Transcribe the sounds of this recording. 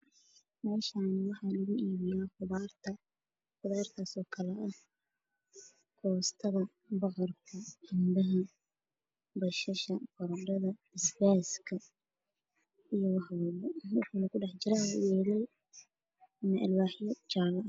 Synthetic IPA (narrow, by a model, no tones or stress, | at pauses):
mɛːʃaːnwɑħɑlʊɣʊʔiːβjaːχʊðart̪ʰɐ | qʊðaːrt̪ʰaːsɔːkʰɐlɐʔɐ | kʰɔːst̪ʰɐðɐ | bɑqɑrkʰɐhɪnd̪ɐɦɐ | bɐʃɐʃɐqɔɾɖɐðɐɪsbɛːskʰɐ | ijɔwɑħwɛlɛwɑħuːnɐkʰʊɖɛħt͡ʃɪɾawʊjɛːlɛj | ɐmɐʔɪlwaːħjɔt͡ʃaːlɐʔ